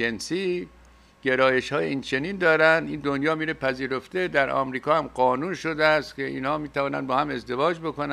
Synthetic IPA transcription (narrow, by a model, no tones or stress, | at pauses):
ensi | ɡ̥e̞ɾɒːje̞ʃhɒːjeiːnt͡ʃʰe̞niːnd̪ɒːɾænd̪ind̪onjɒːmiːɾepʰæziːɾo̞ft̪ed̪æɾʔɒ̰ːmɾiːkʰɒːhæmɢɒːnuːnʃo̞d̪eæst̪kʲʰeʔḭːnhɒːmiːt̪ʰævɒːnæ̰nbɒːhæme̞zd̪e̞vɒːd͡ʒbo̞kon